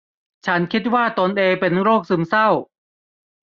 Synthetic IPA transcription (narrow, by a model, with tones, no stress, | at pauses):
t͡ɕʰa˦˥nkʰi˦˥t̪̚waː˥˩t̪o˧nʔeː˧ŋpe˧nɾoː˥˩k̚sɯ˧msa˥˩w